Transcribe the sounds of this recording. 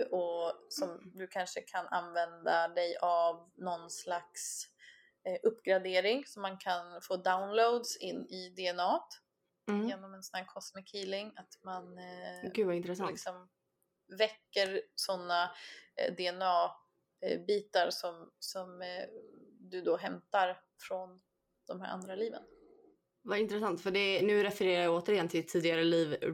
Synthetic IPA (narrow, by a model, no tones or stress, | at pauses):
ʔɔsɔmd̪ɵkʰanʂəkʰanʔa̰nvɛnd̪ad̪ɛjʔavnɔnslaks | ʔɵpːɡɾad̪eːɾɪŋsɔmːankʰanfoːd̪aʊnlod̪sɪnːɪd̪ɛɛnɑːt̪ | jeːnɔmɛnsɔnhæːɾkʰɔsmɪkhiːlɪŋat̪manɡʉvaɪnt̪ɾəsaɪɪksɔm | vɛkːəɾsɔnːa | d̪ɛɛnɑː | biːt̪aɾsɔmsɔm | d̪ɵd̪oɦɛmt̪aɾ | fɾɔn | d̪̥ɔmhæ̰ːɾʔa̰nd̪ɾaliːvə̰n | vaɪnt̪ɾɛsant̪fœɖɛnʉ̟ːɾɛfɛɾeːɾajaoːt̪əɾɪjɛnt̪ʰɪɪt̪ʰːiːd̪ɪɡaɾəliːv